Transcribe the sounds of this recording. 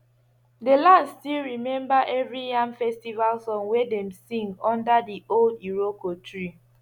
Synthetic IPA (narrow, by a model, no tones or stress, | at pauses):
delãnstilɹimɛ̃mbaʔɛvɹijãmfɛstivalsɔ̃nwedɛ̃msĩŋɔ̃ndadioldiɹokɔtʰɹi